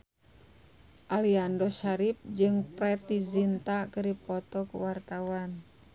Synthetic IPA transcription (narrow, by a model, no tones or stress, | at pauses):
ʔaliandɔʃaɾip̚d͡ʒɨŋpɾɛt̪izint̪akɨɾipɔt̪ɔkuwart̪awan